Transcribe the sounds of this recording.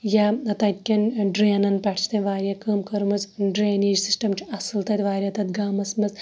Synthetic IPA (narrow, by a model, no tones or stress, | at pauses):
jaɐt̪ɐkʲːɐnɖɾeːnɐnpʲɐʈʰt͡ʃʰt̪ɐnʲʋaːɾʲjakɐːmkɐɾmɐzɖɾeːniːd͡ʒsisʈɐmt͡ʃʰɐsɨlt̪ɐt̪ʲʋaːɾʲjɐt̪ɐt̪ɡaːmɐsmɐz